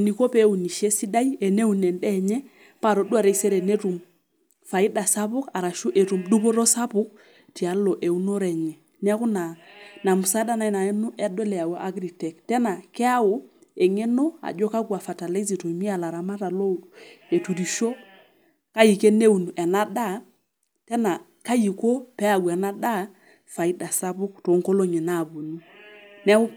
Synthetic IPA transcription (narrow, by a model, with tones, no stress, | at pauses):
ni˨ko˦pe˦u˨ni˨ʃe˦si˦da˦i˦ɛ˨ne˦u˦˨nɛ˨ndɛ˦˨ɲɛ˦ | pa˦˨ɾo˨du˦a˨ɾe˨sɛ˦ɾɛ˨ne˦tu˨m | fa˨i˦da˨sa˦pu˦ka˨ɾa˨ʃu˦ʔe˨tu˨mdu˦bo˦ɾo˦sa˦pu˦k̚ | ti˨a˨lo˨ʔe˨u˦no˦ɾɛ˨ɲɛ˨ | ni˦a˦ku˦na˨na˨mu˨sa˦da˦na˦jna˨ɛ˦nu˦ʔɛ˦dɔ˦lɛ˨a˨wa˨ʔa˦ɡɾi˨tɛ˨ktɛ˦na˨kɛ˦a˦wo˨e˨ŋe˦no˦a̰˨d͡ʒo˦ka˦kwa˨fa˨ta˨le˦zi˨to˨i˨mi˦a˦˨la˨ɾa˨ma˦ta˨lo˦e˨tu˨di˨ʃo˦ | ka˦ji˨ke˦ne˦u˨nu˨ʔɛ˨na˦da˦˨ | tɛ˦na˨ | ka˦ji˨ko˦pɛ˦a˨ɡwɛ˨na˦da˦ | fa˨i˦da˨sa˦pʊ˦k̚to˨˦ŋko˦lo˦ɲɛ˨na˦˨bu˨nu˦ | n˦a˦ku˦